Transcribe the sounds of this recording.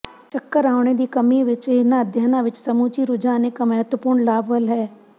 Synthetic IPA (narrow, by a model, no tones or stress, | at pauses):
t͡ʃəkːəɾaːʊɳ̃ed̪ikɐmiʋɪt͡ʃenaəd̪ʱjaːnaʋɪt͡ʃsɐmut͡ʃiɾʊd͡ʒaːnekamɐɦət̪wəpuːɾɳlaːbəlɦɛː